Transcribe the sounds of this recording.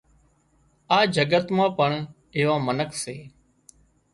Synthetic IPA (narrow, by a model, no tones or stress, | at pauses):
aːd͡ʒʱəɡət̪mãːpəɳ | ɪːʋãːmənəkʰseː